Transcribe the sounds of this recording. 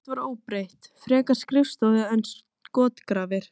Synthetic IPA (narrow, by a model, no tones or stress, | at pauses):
t̪vaɾoːwpɾejht̪fɾɛːkḁskɾɪfst̪owðaɛns | kɔːt̪kɾaːvɪɾ̥